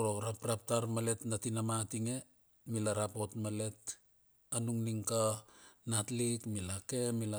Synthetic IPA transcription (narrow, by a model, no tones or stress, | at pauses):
ɾoɾapɾap̚taɾmale̞tnatinamatiŋe̞ | milaɾapo̞tmale̞t | anuŋniŋkanatlikmilake̞mila